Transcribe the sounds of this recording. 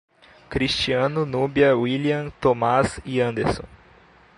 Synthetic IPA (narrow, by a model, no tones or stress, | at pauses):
kɾist͡ʃiɐ̃nʊnubiɐwiliɐ̃t̪omaziɐ̃nd̪eɾsõ̰